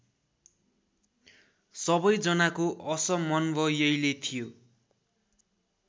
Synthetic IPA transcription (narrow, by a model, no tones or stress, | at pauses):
sʌbʌjd͡zʌnakoʔʌsʌmʌnbʱʌjʌjlet̪ʰijo